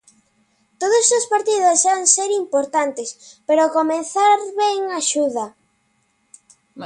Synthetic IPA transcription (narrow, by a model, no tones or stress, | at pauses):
t̪oðosospaɾt̪iðosanseɾimpoɾt̪ant̪espeɾokomeθaɾβɛŋaʃuðɐ